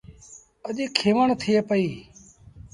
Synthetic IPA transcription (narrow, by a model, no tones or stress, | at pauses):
əɗiːkʰeːʋəɳt̪ʰɪeːpəiː